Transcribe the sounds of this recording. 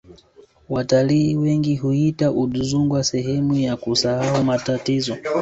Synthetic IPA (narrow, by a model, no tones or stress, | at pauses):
wataliːwɛŋɡiɦuhitaʔuɗuzuŋɡwasɛɦɛmujakusahaumatatizɔ